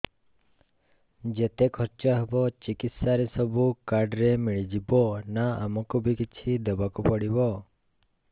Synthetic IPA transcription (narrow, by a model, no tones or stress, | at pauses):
d͡ʒet̪ekʰɔɾt͡ʃəɦɛbot͡ʃɪkɪt̪saɾesəbʱukaɾɖɾemiɭid͡ʒibonaə̰mɔkubʱikɪt͡ʃʰid̪əbakupəɽibo